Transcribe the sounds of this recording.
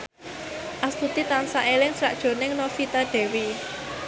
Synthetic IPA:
ʔast̪ut̪it̪ansaʔelɪŋsɾa̰ʔd̥ʒ̥o̤nɪŋnɔfit̪aɖ̪̥ɛ̤wi

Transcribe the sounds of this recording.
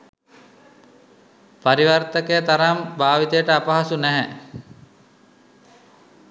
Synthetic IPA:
paɾiʋart̪əkəjət̪aɾambaːʋit̪ejəʈəapaɦasunæɦɛ

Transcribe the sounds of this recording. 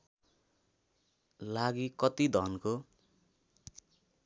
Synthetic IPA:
laɡikʌt̪id̪ʱʌnko

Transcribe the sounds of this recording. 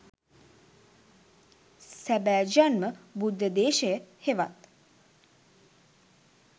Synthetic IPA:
sæbæːd͡ʒanməbud̪ːəd̪eːʃəjəheʋa̰t̪

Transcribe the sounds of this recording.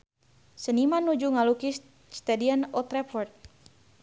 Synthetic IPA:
sənimanːud͡ʒuŋaluki | st̪adianɔt̪ɾɛpɔrt̪̚

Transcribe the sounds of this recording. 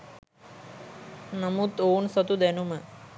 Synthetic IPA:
nəmut̪oːnsɔt̪ud̪ɛnumə

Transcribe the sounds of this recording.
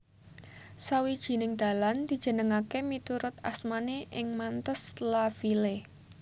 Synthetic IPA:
sawid̥ʒ̥i̤nɪŋd̪̥a̤land̪̥i̤̥ʒ̥ə̤nəŋakemit̪uɾʊt̪a̰smaneʔɪŋmant̪əslafile

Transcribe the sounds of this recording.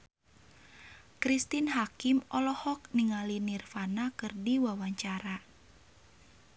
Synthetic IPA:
kɾist̪inɦakimɔlɔhɔk̚niŋalinirfanakɨrdiwawaɲt͡ʃaɾa

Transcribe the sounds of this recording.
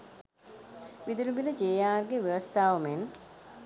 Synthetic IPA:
ʋid̪ulubiləd͡ʒeːjaːrɡeʋeʋəst̪aːʋumen

